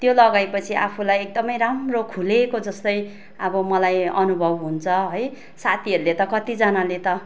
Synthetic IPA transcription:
t̪jolʌɡajpʌt͡sʰiʔa̰pʰulajek̚d̪ʌmʌjramrokʰulekod͡zʌst̪ʌj | ʌbʌmʌlajʌnubʱʌbɦunt͡sʰʌɦʌj | sat̪ʰiʌɾulet̪ʌkʌt̪id͡zʌnalet̪ʌ

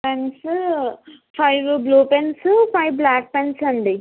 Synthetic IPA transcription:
pens | pʰɐjʋbluːpenspʰɐjʋblaːk̚pensɐɳɖi

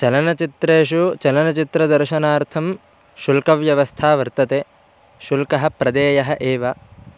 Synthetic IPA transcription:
t͡ʃɐlɐnɐt͡ʃit̪ɾeːʃut͡ʃɐlɐnɐt͡ʃit̪ɾɐd̪ɐɾʃɐnaːɾt̪ʰɐm | ʃulkɐʋjɐʋɐst̪ʰaːʋɐɾt̪ɐt̪eː | ʃulkɐɦɐ̆pɾɐd̪eːjɐɦɐʔeːʋɐ

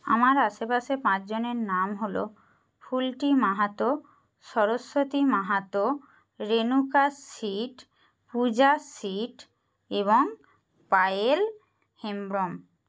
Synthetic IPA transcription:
a̰maɾaʃepaʃepãt͡ɕd͡ʑoneɾnamɦolo̰ | fʰulʈimaɦat̪o | ʃɔɾosːot̪imaɦat̪o | ɾenukasiʈ | pud͡ʑasiʈ | eβoŋ | pael | hembɾom

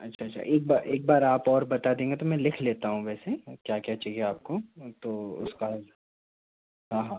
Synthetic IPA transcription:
ɐtːʃʰaːtːt͡ʃʰʃʰa̰ʔeːk̚baːʔeːk̚baːɾaːpɔːɾbɐt̪ad̪ẽːŋɡet̪omɛ̃lɪkʰleːt̪aɦũʋɛːsekjaːkjat͡ʃɐɦieaːp̚kot̪oːʊ̰ska | ɦãːɦãː

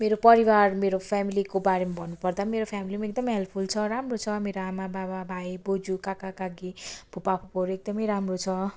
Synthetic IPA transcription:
meɾopʌɾibarmeɾopʰjamilikobaɾemabʱʌnːupʌrd̪ameɾopʰjamilimaek̚d̪ʌmʌjɦelpʰult͡sʰʌɾamrot͡sʰʌmeɾoamabababʱajbod͡zukakakaɡib̥ʱupapʰupoɾek̚d̪ʌmʌjɾamrot͡sʰʌ

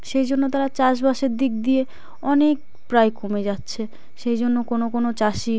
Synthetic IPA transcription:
ʃejd͡ʑonːot̪aɾat͡ɕaʃ̬baʃeɾd̪ik̚d̪ie | ɔnek̚ | pɾajkomed͡ʑatːɕʰe | ʃejd͡ʑonːokonokonot͡ɕaʃi

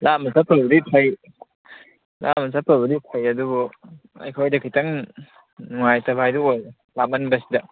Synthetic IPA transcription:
lamɐsapʰɐbɐdipʰɐj | la̰mɐsʰapʰabɐdipʰɐjɐdubu | ɐ̰jkʰojdɐkʰitɐŋ | nuŋajtɐbʱajduoj | lamɐnbɐsidɐ

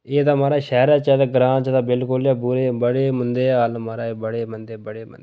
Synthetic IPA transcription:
eːd̪aːmaːɾaːʃɛːɾaːt͡ʃɛːd̪aːɡɾãːnt͡ʃət̪aːbɪlkʊljaːbʊɾeːbəɽeːmənd̪eːaːlmaːɾaːeːbəɽeːmənd̪eːbəɽeːmə̰ne

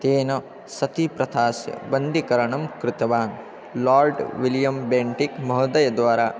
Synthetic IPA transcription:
t̪eːnɐ | sɐt̪ipɾɐt̪ʰaːsjɐ̰bɐnd̪ikɐɾɐɳɐmkɾɪt̪ɐʋaːn | laːɾɖʋiljɐmbeːɳʈikmɐɦɐd̪ɐjɐd̪ʋaːɾaː

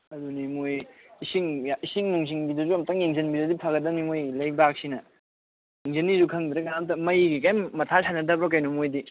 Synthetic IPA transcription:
ɐdunimojisiŋisiŋnuŋz̬iŋbidɐzuɐmtaŋjeŋzɐnbidɐdipʰɐɡɐdɐmimojlɐjbak̚sinɐ | jeŋzenizukʰɐŋdɾɐɡamtɐmɐjɡikajmɐtʰasanɐdɐbɾɔk̬ɐjnumojdi

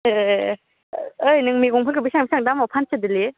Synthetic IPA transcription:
ɯjnɯŋmiɡɔŋpʰɯlkɯbisaŋbisʰaŋdamɔpʰansʰɯdɯli

